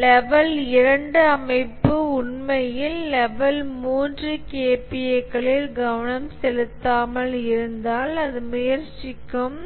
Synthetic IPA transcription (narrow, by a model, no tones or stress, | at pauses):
lɛʋɐlɪɾɐɳɖɯɐmɐɪpːɯʊɳmɐjɪlːɛʋɐlmuːndrɯkeːpɪɐɪkːɐɭɪlɡɐʋɐnɐmsɛlɯt̪ːaːmɐlɪɾɯnd̪aːlɐðɯmʊjɐɾt͡ʃːɪkːɯm